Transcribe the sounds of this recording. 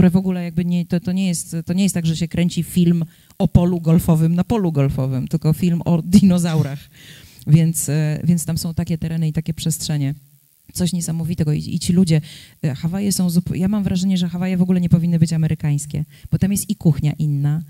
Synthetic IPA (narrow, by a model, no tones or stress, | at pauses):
k̚t̪uɾɛvɔɡulɛjaɡ̚bɘɲɛt̪ɔt̪ɔɲɛjɛst̪t̪ːɔɲɛjɛst̪aɡʐɛɕɛkɾʔɛɲʲt͡ɕifʲilm | ɔpɔluɡɔlfɔvɘmnapɔluɡɔlfɔvɘmt̪ɘlkɔfʲilmɔd̪inɔzawɾax | vʲjɛnt̪svʲjɛntst̪amsɔ̃w̃t̪akʲɛt̪ɛɾɛnɘit̪akʲɛpʂɛstʂɛɲɛ | t̪sɔɕɲɛsamɔvʲit̪ɛɡɔḭḭt͡ɕilud͡ʑɛxavajɛsɔ̃w̃zupjamamvɾʔaʐɛɲɛʐɛxavajɛvɔɡulɛɲɛpɔvʲinːɘbɘt͡ɕamɛɾʔɘkaj̃skʲɛ̰b̥ɔt̪amjɛst̪ikuxɲaʔinːa